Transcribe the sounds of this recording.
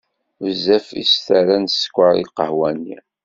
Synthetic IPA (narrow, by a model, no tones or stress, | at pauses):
zːæfḭsθæɾænsə̥kʷːəɾḭlqəhwæni